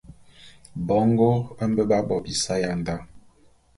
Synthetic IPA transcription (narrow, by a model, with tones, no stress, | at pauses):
bɔ˨˦ŋɡo˦ə˦m˦bə˦ba˦bɔ˨bi˨sa˦ja˦n˨da˦